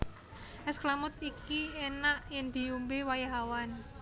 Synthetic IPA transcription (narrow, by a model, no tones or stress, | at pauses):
ʔɛsklamʊt̪ikienaʔjɪŋd̪̥i̤umbewajaɦawan